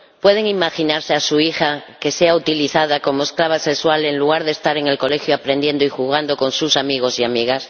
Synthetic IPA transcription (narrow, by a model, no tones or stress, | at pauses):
pwe̞ð̞e̞ŋimaxinaɾseasuixake̞se̞aut̪iliθaðako̞mo̞esklaβ̞asekswale̞nluɣ̞aɾðe̞st̪aɾe̞ŋe̞lko̞le̞xjoapɾe̞nd̪je̞nd̪oixuɣ̞and̪o̞ko̞nsusamiɣ̞o̞siamiɣ̞as